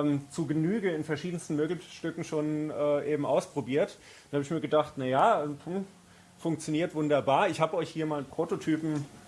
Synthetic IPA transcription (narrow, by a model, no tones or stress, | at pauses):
mt͡suːɡənyːɡəɪnfɛɐʃiːdən̩stn̩møːɡl̩ʃtʏkŋ̩ʃoːnʔɛːʔeːbm̩ʔaʊspʁ̥obiːɐt | d̥anhaːbɪçmiːɐɡədaχtnajaːɛ | fʊŋk̚t͡sjoniːɐtvʊndɐbaːɐɪçhaːbəɔʏçhiːɐmaːlnpʁ̥oːtotʰyːpm̩